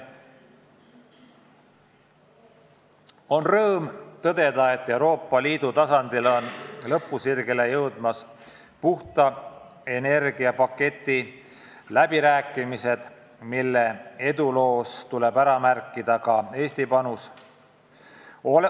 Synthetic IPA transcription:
o̞nrɤːmt̪ɤd̪̥e̞d̪ɑe̞t̪ːe̞wɾo̞ːpːˑɑliːd̪̥ut̪ɑsɑnd̪̥ilo̞nlɤpˑːusirɡelejɤwd̪̥mɑs | puht̪ɑ | e̞ne̞rɡiɑpɑkːe̞t̪ːˑi | læb̥iɾæːkːˑimise̞d̪̥ | milːe̞e̞d̪ulo̞ːst̪ule̞bæɾɑmærkˑːid̪̥ɑkɑe̞ːst̪ipɑnus

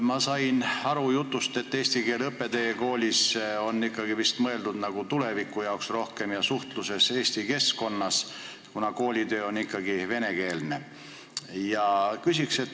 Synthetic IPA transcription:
mɑsɑjnɑɾujut̪ːˑust̪e̞t̪ːe̞ːst̪ike̞ːlɤpːe̞d̪eeko̞ːlʲiso̞nːikːɑɡivist̪mɤe̞ld̪ud̪nɑɡ̥ut̪ule̞vikˑːujɑoksro̞hke̞mjɑsuht̪luse̞se̞ːsʲt̪ike̞sko̞nːɑs | kunɑko̞ːlʲid̪ø̞ːo̞nikːˑɑɡive̞ne̞ke̞ːlne̞̰ | jɑkysikse̞t̪ːˑ

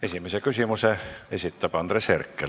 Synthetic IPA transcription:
esimesekysimuseesit̪ːæpɑnd̪̥resherkːel

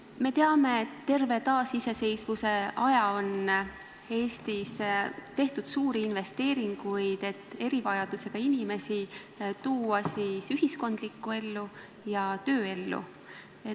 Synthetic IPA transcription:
me̞t̪e̞ɑme̞ːt̪ːe̞rve̞t̪ɑːsise̞se̞jsvuse̞ɑjɑo̞n | e̞ːst̪ist̪e̞ht̪ud̪̥suːɾiinve̞st̪e̞ːɾiŋɡ̥ujd̪̥e̞t̪ːˑe̞ɾivɑjɑd̪̥use̞ɡ̥ɑinime̞si | t̪uːɑsiːsyɦisko̞nd̪̥likːˑue̞lːu | jɑt̪ø̞ːe̞lːṵ | e

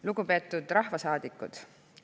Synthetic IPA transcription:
luɡ̥upe̞ːt̪ːˑud̪̥rɑhvɑsɑːd̪̥ikːˑṵd̪̥

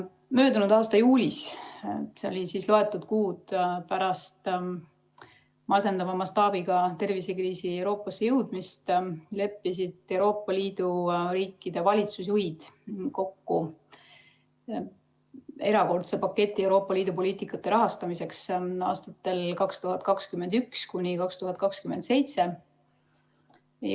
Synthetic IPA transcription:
mø̞ːd̪unud̪ɑːst̪ɑjuːlʲis | seolʲisiːslo̞e̞t̪ːˑud̪̥kuːd̪̥pæɾɑst̪ | mɑse̞nd̪ɑvɑmɑst̪ɑːb̥iɡ̥ɑt̪e̞rvisekriːsiewɾo̞ːpːˑɑsːejɤwd̪̥mist̪le̞pːis̬id̪̥e̞wɾo̞ːpˑːɑliːd̪̥uɾiːkːid̪̥e̞vɑlʲit̪sus̬ujd̪̥ko̞kːu | e̞ɾɑko̞rt̪sepɑkːe̞t̪ʲːˑie̞wɾo̞ːpːɑliːd̪̥upo̞lʲiːt̪ˑikːˑɑt̪ːe̞ɾɑɦɑst̪ɑmise̞ksɑ̰ːst̪ɑt̪ːe̞lkɑkst̪uɦɑt̪̚kɑkskymend̪ykskunʲikɑkst̪uɦɑt̪̚kɑkskyme̞nd̪se̞jt̪se̞

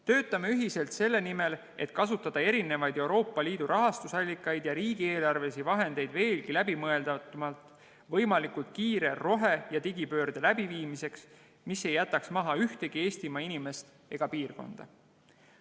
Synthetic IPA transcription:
t̪ø̞ːt̪ːˑɑmeyɦise̞lt̪se̞lːe̞nime̞l | e̞̰t̪kɑsut̪ːˑɑd̪̥ɑe̞ɾine̞vɑjd̪e̞wɾo̞ːpːˑɑliːd̪̥uɾʔɑɦɑst̪usɑlʲːikːˑɑjd̪̥jɑɾiːɡ̥ie̞ːlɑrve̞sivɑɦe̞nd̪̥e̞jd̪ve̞ːlɡilæbimɤe̞ld̪ɑt̪mɑlt̪ˑ | vɤjmɑlikult̪̚kiːɾe̞ro̞ɦejɑt̪iɡipø̞ːrd̪̥elæbiviːmise̞ks | misːe̞jːæt̪ːˑɑksmɑɦɑyht̪e̞ɡ̥ie̞ːst̪imɑinime̞st̪ | e̞ɡ̥ɑpiːrko̞̰nd̪̥ɑ̰

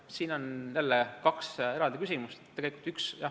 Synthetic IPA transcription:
siːno̞nnelːekɑkse̞ɾɑld̪ikysimust̪ːeɡelikult̪yksjɑ

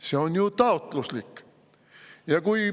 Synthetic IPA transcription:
se̞o̞njut̪ɑot̪ˑluslikː | jɑkuj

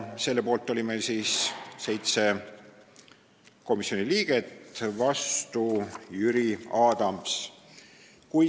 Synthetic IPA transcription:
se̞lːepo̞ːlt̪ːˑolʲimesiːsse̞jt̪se̞ | ko̞misːio̞niliːɡ̥e̞t̪vɑst̪ujyɾiɑːd̪̥ɑms | kuj

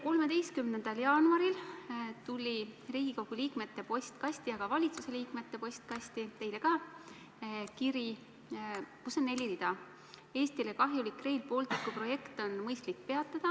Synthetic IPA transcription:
ko̞lme̞d̪e̞jst̪̚kymnend̪̥ɑljɑːnuɑɾilt̪ulʲiriːɡ̥ikowɡ̥uliːkme̞t̪ːe̞po̞sʲt̪kɑsʲt̪iɑɡ̥ɑvɑlʲit̪suse̞liːkme̞t̪ːe̞po̞sʲt̪̚kɑst̪it̪e̞jle̞ɡɑː | kiɾi | kusːo̞nːe̞lʲːiɾid̪̥ɑ | e̞ːst̪ilekɑɦjulikrejlpo̞ːlt̪ikːˑupro̞je̞kt̪o̞nmɤjst̪likːpe̞ɑt̪ːˑɑd̪̥ɑ

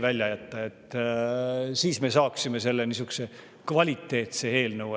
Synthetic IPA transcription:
vælʲjɑjæt̪ːɑe̞t̪ː | siːsme̞sɑːksimese̞lːe̞nis̬ykse̞ | kvɑlʲit̪ːe̞ːt̪see̞ːlnɤwe

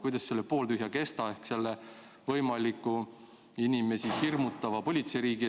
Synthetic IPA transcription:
kujd̪ɑsse̞lːepo̞ːlt̪yɦjɑke̞st̪ɑe̞hkse̞lːe | vɤ̞jmɑlʲikːˑu | inime̞sihirmut̪ːˑɑvɑpo̞lʲit̪seɾiːɡ̥i

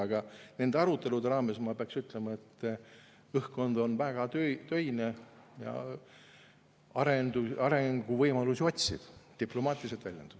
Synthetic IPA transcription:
ɑɡ̥ɑne̞nd̪e̞ɑɾut̪ːˑe̞lud̪eɾɑːme̞smɑːpeɑksyt̪ˑle̞mɑe̞t̪ː | ɤhko̞nd̪o̞nvæɡ̥ɑt̪øt̪ø̞jne | jɑ̰ | ɑɾend̪uɑɾeŋɡ̥uvɤjmɑlusio̞t̪ʲsḭd̪̥t̪iplo̞mɑːt̪ʲːˑiliselt̪vælʲjend̪ud̥̪

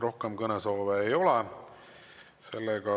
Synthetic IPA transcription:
ro̞hkemkɤneso̞ːveːjo̞le | se̞lːeɡ̥ɑ

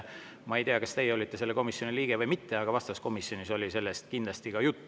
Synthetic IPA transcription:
mɑejt̪eɑkɑst̪e̞jeo̞lʲit̪ˑːese̞lːeko̞misjo̞niliːɡ̥e̞vɤjmit̪ːe̞ɑɡ̥ɑvɑst̪ɑsko̞misjo̞niso̞lʲise̞lːe̞st̪̚kind̪lɑst̪ikɑjut̪ːˑ

